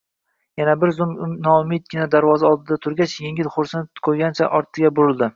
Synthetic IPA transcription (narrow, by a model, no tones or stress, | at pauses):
janabɪɾzʊmnɒʊmɪd̪̚ɡʲɪnad̪aɾvɒzaɒlˠd̪ɪd̪at̪ʰʊɾɡʲat͡ʃjeŋʲɪlχʊɾsɪnɪkʰojɡʲant͡ʃʰaʔɒɾt̪ʰːɪɡʲabʊɾɪlˠd̪ɪ